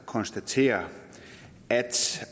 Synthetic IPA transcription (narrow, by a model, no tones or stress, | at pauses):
kʰɒ̽nsd̥æt͡sʰe̝̰ːɐ | æd̥